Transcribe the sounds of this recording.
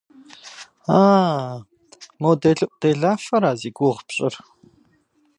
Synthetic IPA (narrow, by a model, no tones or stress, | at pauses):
aː | mowdeɮɨʔʷʼd̥eːɮaːfɐɾaːziːɡʷuʁpɕʼɪr